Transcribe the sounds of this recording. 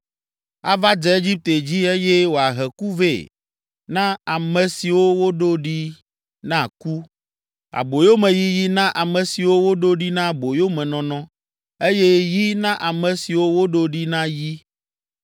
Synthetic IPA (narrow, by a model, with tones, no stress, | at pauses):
a̰˦va˦d͡ʒɛ˦e˦d͡ʑi˦p̚t̪e˨d͡ʑi˦e˦je˦wo˨a˨ɦɛ˨ku˦vḛ˦˨ | nã˦a˨mɛ̃˨si˨wo˦wo˦ɖo˦ɖi˦ | nã˦ku˦ | a̰˨bo˨jo˦mẽ˨ji˦ji˦nã˦ʔa˨mɛ̃˨si˨wo˦wo˦ɖo˦ɖi˦nã˦bo˨jo˦mɛ̃˨nɔ̃˨nɔ̃˦ | e˦je˦ji˦nã˦ʔa˨mɛ̃˨si˨wo˦wo˦ɖo˦ɖi˦nã˦ji˦